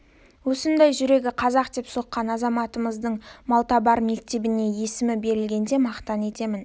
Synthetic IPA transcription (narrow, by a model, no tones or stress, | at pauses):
wɵsənd̪ejʒʏɾe̞ɡʲɪqʰɑzɑqd̪e̞pso̞qːɑnɑzɑmɑt̪əməzd̪əɴmɑlˠt̪ɑbɑɾme̞k̚t̪e̞bɪne̞je̞sɪmɪbe̞ɾɪlɡʲe̞nd̪e̞mɑqt̪ɑne̞t̪e̞mɪn